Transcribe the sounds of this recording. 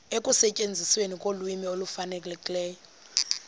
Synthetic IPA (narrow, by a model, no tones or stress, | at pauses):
ekʼusɛcʼend͡zʱiswenikʼolwimiolufanɛkʼlɛkʼilɛːjɔ